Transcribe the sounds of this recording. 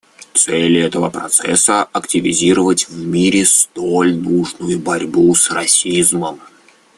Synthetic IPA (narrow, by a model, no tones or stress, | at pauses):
t̪sɛlʲɛt̪əvəpɾɐt̪sɛ̰səɐktʲɪvʲɪzʲiɾəvətʲvmʲiɾʲɪst̪olʲnuʐnʊjʊbɐɾʲbusrɐsʲizməm